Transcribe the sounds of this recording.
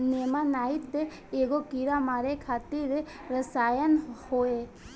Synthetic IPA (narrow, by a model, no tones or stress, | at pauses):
nemanait̪e | eɡokiɾamaɾekʰat̪iɾe | ɾəsajənhoe